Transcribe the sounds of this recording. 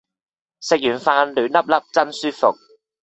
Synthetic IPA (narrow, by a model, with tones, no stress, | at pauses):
sɪ˨k̚jyː˨˩nfaː˧nlyː˨˥nɐ˥p̚lɐ˥p̚t͡sɐ˥nsyː˥fʊ̰˨k̚